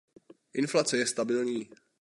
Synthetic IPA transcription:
ʔɪnflat͡sɛjɛst̪abɪlɲiː

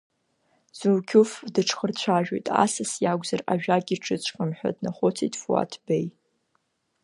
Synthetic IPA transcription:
z̥uwkʲʰʊfdɨʈ͡ʂʰχərt͡ɕʷʰaʒᶣo̰jtʼa̰sasjaɡʷʼzara̰ʒᶣaɡʲiʈ͡ʂʰɨt͡ɕʷʰqʼamħʷᶣa̰dnaχʷʊt͡sʰijtʼfua̰tʰbej

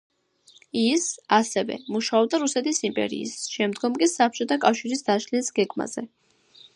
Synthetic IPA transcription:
isasɛvɛ̰muʃaɔb̚d̪aɾusɛt̪ʰisimpʼɛ̰ɾḭːsʃɛmd̪ɡɔmkʼisap̚ʰt͡ʃʼɔt̪ʰakʼafʃiɾisd̪aʃlisɡɛɡma̰z̥ɛ

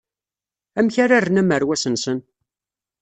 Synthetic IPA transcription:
æmçaɾarːənæməɾwæsənsən

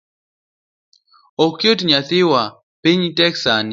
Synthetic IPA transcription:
okjotɲat̪ɪwa | piɲtɛksani

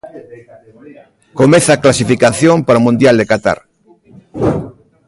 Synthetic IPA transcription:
komeθaːklasifikaθjompaɾomũnd̪jald̪ekat̪a̰ɾ

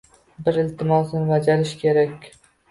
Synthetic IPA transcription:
bɪɾɪlt̪ʰɪmɒsnvad͡ʒaɾɪʃkʲʰe̞ɾakʲ

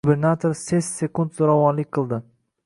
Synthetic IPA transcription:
ube̞ɾnat̪ʰoɾsesse̞kund̪zoɾavɒnlɪkʲqʰɨlˠd̪ɪ

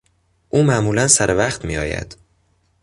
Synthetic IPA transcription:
ʔuːmæʔmuːlænsæɾʔevæχt̪miːɒːjæ̰d̪̥

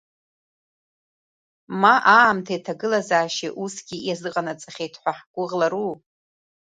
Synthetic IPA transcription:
maʔaːmtʰajtʰaɡɨlazaːʃiʔusɡʲijazɨqʼanat͡sʼaχʲejtʰħʷaħɡ̥ʷʊʁlaɾu

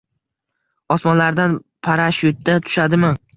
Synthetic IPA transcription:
ɒsmɒnlaɾd̪anpʰaɾaʃʊt̪̚d̪at̪ʰʊ̥ʃad̪ɪmɪ

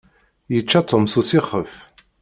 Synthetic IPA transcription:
jət͡ʃːat̪ˤʰomsusiχəf

